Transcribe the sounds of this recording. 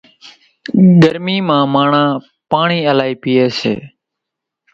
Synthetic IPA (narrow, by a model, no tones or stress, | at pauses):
ɡəɾmiːmãːmaːɳãː | paːɳiːəlaːiːpɪːeːsḛː